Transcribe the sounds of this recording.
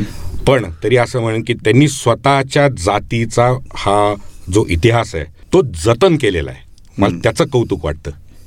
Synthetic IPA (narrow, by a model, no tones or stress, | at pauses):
pəɳt̪əɾiːəsəːm̤əɽ̃əːnkiːt̪janːiːsʋət̪at͡ɕjad͡zat̪it͡sahad͡zoʔit̪iɦasɛ̰t̪od͡zət̪ənkelela̰ḛ | malat̪jat͡səːkəwt̪uːkʋa̰ʈ̚t̪əː